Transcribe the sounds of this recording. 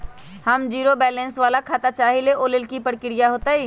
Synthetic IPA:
hɐmd͡ʒiːɾobɛːlɛ̃nsʋaːlakʰaːt̪at͡ʃaːɦileʔoːlɪlkipəɽkɪɽijaɦoːt̪aɦiː

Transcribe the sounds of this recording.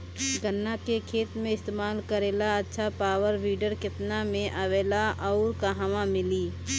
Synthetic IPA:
ɡənːakekʰeːt̪mẽɪst̪eːmaːlkəɾeːlaɐtːʃʰapaːʋəɾʋiːɖəɾkɪt̪namẽʔaʋeːlaʔɔːɾkaɦaʋãmɪliː

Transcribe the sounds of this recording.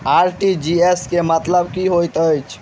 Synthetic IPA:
aɾʈid͡ʒieskemət̪ləbkiɦojt̪əjt͡ʃʰ

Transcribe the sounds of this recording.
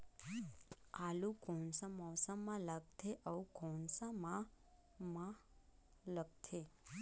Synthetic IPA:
alũkɔ̃nsə̃mɔsəmːãləɡ̚t̪ʰeʔəukɔnsamã | mã | ləɡt̪ʰe

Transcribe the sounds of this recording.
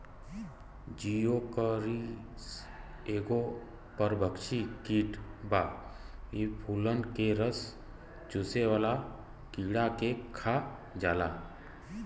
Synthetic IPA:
d͡ʒijokəɾis | eːɡo | pəɾbʱəkʃikiːʈbaː | ipʰuːlənkeɾəs | d͡ʒʊseʋaːla | kiɽakekʰa | d͡ʒaːlaː

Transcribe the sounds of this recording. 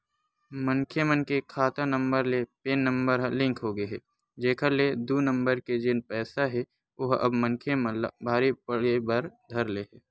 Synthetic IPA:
məŋkʰemənkekʰaːt̪anə̃mbəɾlepeːnːə̃mbəɾɦlɪ̃ŋkɦoːɡəɦɛː | d͡ʒeːkʰəɾled̪unə̃mbəɾked͡ʒɪnpɛːsaɦɛ | ʊɦɐ̰bməŋkʰjemə̃lbʱaːɾipəɽebɐɾd̪ʱɐɾleːɦɛː

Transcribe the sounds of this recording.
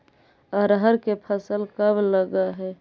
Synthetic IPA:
əɾɦəɾkepʰəsəlkəbləɡəɦɛ

